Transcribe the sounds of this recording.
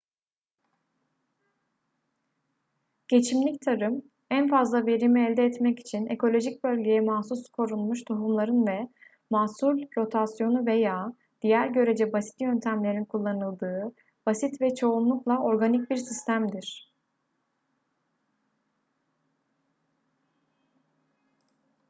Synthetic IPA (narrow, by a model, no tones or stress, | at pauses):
ɟ̥e̞t͡ʃʰimlʲict̪ʰaɾɯm | ænfazlˠave̞ɾimɛːlʲd̪ɛːt̪mɛci̥t͡ʃʰine̞̰kʰo̞lʲo̞ʒic̚bø̞lʲɟe̞jɛmasuskʰo̞ɾunmuʃt̪ʰoɦumlˠaɾɯnvɛ | maːsulʲɾo̞t̪ʰasjo̞nuvejaː | d̪̥ijæɾɟø̞ɾe̞d͡ʒɛbasi̥t̪jø̞nt̪ʰæmlʲe̞ɾinkʰulˠːanɯlˠd̪ɯː | b̥asit̪vɛt͡ʃʰo̞unlˠuklˠao̞ɾɡanic̚biɾsist̪ʰæmd̪iɾ̥